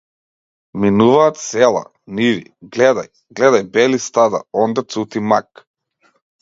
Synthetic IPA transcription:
minuvaːt̪sɛlˠa̰ | nivḭɡlɛd̪aj | ɡlɛd̪ajbɛlist̪ad̪a̰ɔnd̪at̪sut̪imak

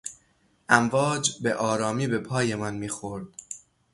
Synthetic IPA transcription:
ʔæmvɒːd͡ʒbeʔɒːɾɒːmiːbe̞pʰɒːje̞mænmiːxo̞ɾd̪̥

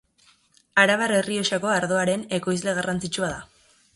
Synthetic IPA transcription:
aɾaβaɾe̞riosako̞aɾðo̞aɾe̞ne̞ko̞jzle̞ɣ̞arʔant͡sit͡ʃuaða

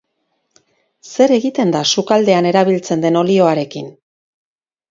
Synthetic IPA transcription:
se̞ɾe̞ɣit̪e̞nd̪asukald̪e̞ane̞ɾaβ̞ilt͡send̪e̞no̞lio̞aɾe̞kin

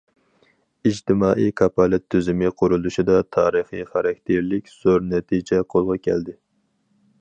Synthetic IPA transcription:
id͡ʒt̪ɪmɑːʔijkʰɑpɑlɛt̪ʰːyzɪmɪqʰʊɾulˠuʃid̪ɑt̪ʰɑ̰ːɾɨχiχɑɾɑk̚ʲt̪ʰeɾlɪkʲz̥oɾnɛt̪ʰid͡ʒɛqʰolˠʁɑkʲʰɛ̰ld̪ɪ

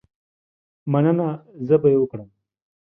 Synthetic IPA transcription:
manənazəbajewʊkɽəm

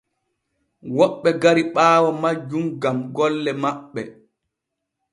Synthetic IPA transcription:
wɔɓːɛɡaɾiɓaːwɔmad͡ʒːumɡamɡɔlːɛmaɓːɛ̰

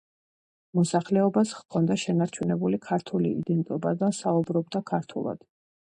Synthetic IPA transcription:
mɔsaχlɛɔbasχkʰɔnd̪aʃɛnaɾt͡ʃʰunɛbulikʰaɾt̪ʰulḭḭd̪ɛnt̪ʼɔbad̪asaubɾɔb̚d̪akʰaɾt̪ʰṵlˠa̰d̪̥

